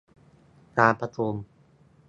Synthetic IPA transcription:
kaː˧pa˧t̪ʰu˧m

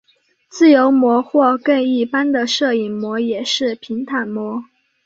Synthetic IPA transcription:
t͡sɹ̩˥˩jo˧˥ʊmwɔ˧˥xwɔ˥˧kə˥˧ŋi˥˩pa˥nd̪ə˨ʂɤ˥˩i˨˩nmwɔ˧˥jɛ˨˩ʂɻ̩˥˩pʰi˧˥ŋt̪ʰa˨˩nmwɔ˧˥

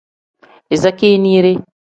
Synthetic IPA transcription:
e˨za˦ke˦ni˦ɾe˦

